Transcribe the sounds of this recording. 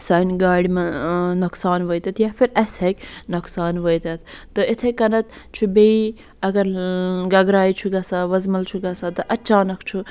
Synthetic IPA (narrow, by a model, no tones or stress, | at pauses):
sɐːnɡaːɽimɐnɐksaːnʋəjt̪ɐt̪ʰjaːfiɾɐshekʲnɐksaːnʋəjt̪ɐt̪ʰt̪ɨɪt̪ʰekɐnɐt̪t͡ʃʰubei | ɐɡɐɾɡɐɡɾaːit͡ʃʰuɡɐsaʋɐzmɐlt͡ʃʰuɡɐsat̪ɨʔɐt͡ʃaːnɐkʰt͡ʃʰu